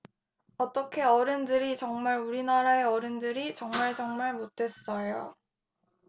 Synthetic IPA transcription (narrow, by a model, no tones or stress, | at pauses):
ʌt͈ʌkʰe̞ʌɾɯndɯɾit͡ɕʌŋmaɾuɾinaɾaeʌɾɯndɯɾit͡ɕʌŋmaɭt͡ɕʌŋmaɭmotʰe̞s͈ʌjo̰